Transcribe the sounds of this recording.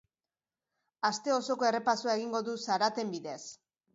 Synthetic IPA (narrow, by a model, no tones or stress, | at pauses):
ast̪e̞o̞so̞ko̞e̞re̞pasuaeɣ̞iŋɡo̞ðusaɾat̪e̞mbiðe̞s